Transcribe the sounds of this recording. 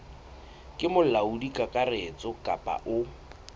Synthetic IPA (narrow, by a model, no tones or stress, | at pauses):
kʼɪmʊlaʊdikʼakʼarɪt͡sʼɔkʼa̰pʼa̰ʔʊ